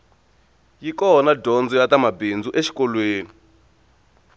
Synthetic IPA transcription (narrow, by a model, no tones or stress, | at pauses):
jikɔnadɔnd͡zɔjatamabind͡zuʔeʃi̥kɔlweːni